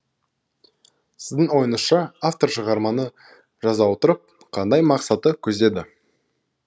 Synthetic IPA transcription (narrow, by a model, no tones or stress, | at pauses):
sɪzd̪ɪŋwo̞jənəsʃɑaft̪o̞rʃəʁɑɾmɑnə | ʒɑzɑwot̪əɾəp̚ | qʰɑnd̪ɑjmɑqsɑt̪əkʲʰɵzd̪e̞d̪ɪ